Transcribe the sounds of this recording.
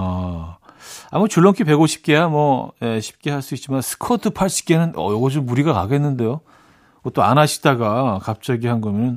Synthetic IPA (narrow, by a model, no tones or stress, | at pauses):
a | amut͡ɕuɭːʌŋkʰipe̞ɡoɕʰi̥p̚k͈e̞jamwʌjeɕʰi̥p̚k͈e̞ɦaɭs͈uit̚t͡ɕ͈imansʰɯ̥kʰʌtʰɯpʰaɭɕʰi̥k͈enɯnʌ̰jʌɡʌd͡ʑomːuɾiɡaka̰ɡe̞nːɯnde̞jo | ʌt͈oa̰naɕʰi̥t͈aɡakap̚t͡ɕ͈aɡiɦanɡʌmjʌnɯn